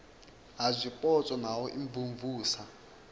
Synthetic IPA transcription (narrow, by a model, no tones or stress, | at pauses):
ɦazʷipʼɔt͡sʼɔnawɔʔiɱvuɱvuːsa